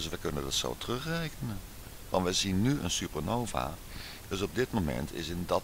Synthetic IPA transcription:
sʋəjkɵnə̰ndɑtso̰wtərɵχrejkənən | ʋɑ̰ntʋəzinːyə̰nsypəɹnowva̰ | d̥øs̬ɔb̚dɪtmomɛ̰ntʰɪ̰sɪndɑ

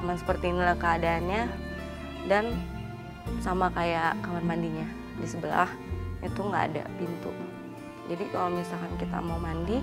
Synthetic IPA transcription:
amansə̥pərt̪iːnilahkəadaːnɲa | dan | samakajakamanmandiɲa | disəbəla̰h | at̪uŋɡa̰ːda̰pint̪ʊ̰ | d͡ʒadikalomisalkankit̪a̰maumandi

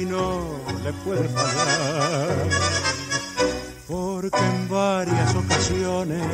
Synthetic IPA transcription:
not̪epweðepaɣaɾ | poɾkeːmbaɾjasokasjone

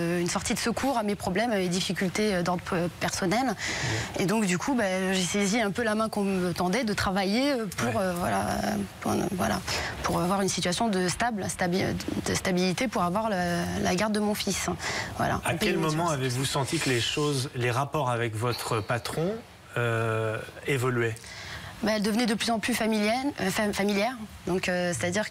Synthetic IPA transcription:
ynsɔʁt̪id̪əsəkʰuʁamepχɔblɛmaved̪ifikʲylt̪eød̪ɔʁd̪ʁəpɛʁsɔnɛled̪ɔ̃kd̪ykʰubaʒeseziɛ̃pølamɛ̃kɔ̃mət̪ɑ̃d̪ɛd̪ət̪χavajeøpʰuʁøvwa̰lã̰ | vwa̰la̰pʰuʁavwaʁynsit̪ɥasjɔ̃d̪əst̪ablst̪abid̪əst̪abilit̪epuʁavwaʁllaɡaʁd̪ːəmɔ̃fisvwa̰la̰ãkɛlmɔmɑ̃avevusɑ̃t̪ikəleʃozleʁapɔʁavɛkvɔt̪χəpat̪χɔ̃ | ø | evɔlɥɛbaɛld̪əvənɛd̪əplyzɑ̃plyfɛfamiljɛʁd̪ɔ̃køse̥t̪ad̪iʁ

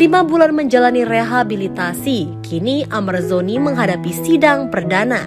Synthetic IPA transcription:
limabulanməɲd͡ʒalanireɦabilit̪asikʰiniʔamarzoniməŋɦadapisidaŋpərdana

